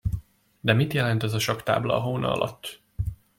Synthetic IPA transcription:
d̪ɛmit̪jɛlɛnt̪ɛzɒʃɒkt̪a̰ːblɒ̰ɒɦoːnʔɒ̰ɒ̰lʔɒ̰t̪ː

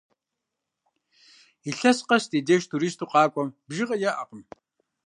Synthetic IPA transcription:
iɬɐsqɐsteːdeːʃtʰuɾiːstʰuːqɑːkʷʼɔmbʒiʁɐjɐʔaqəm

